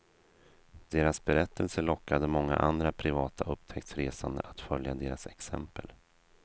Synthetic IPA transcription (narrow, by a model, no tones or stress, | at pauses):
d̪̥eːɾasbɛɾɛt̪ʰːəlsəɭɔkːad̪əmɔŋːa̰ʔand̪ɾapʰɾɪvɑːt̪ʰaʔɵpt̪ʰɛkt̪sɾeːsand̪ə̰ʔat̪fœljad̪eːɾasɛksɛmpəl